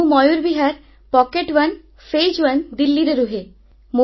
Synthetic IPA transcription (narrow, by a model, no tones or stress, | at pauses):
mɔjuɾbiɦaɾ | pɔkeʈʋɐn | fed͡ʑʋənd̪ilːiɾeɾuɦe | mo